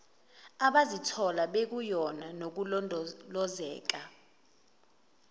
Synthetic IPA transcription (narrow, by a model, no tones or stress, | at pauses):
aɓazitʰɔlaɓek̬ujɔnanok̬ulɔlɔzɛ̰ːk̬a